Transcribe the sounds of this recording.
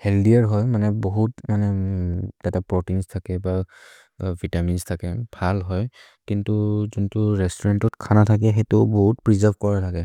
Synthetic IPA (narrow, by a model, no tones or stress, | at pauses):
hɛldiaɹɦɔjmanɛboɦutmanɛ | ɛtapɹotinstʰakɛba | vʱitaminstʰakɛbʱalɦɔj | kintuzuntʊɹɛstɔɹantɔtkʰanatʰak̬ɛxetʊbɔɦut̚pɹizaɹbʱkɔɹatʰakɛ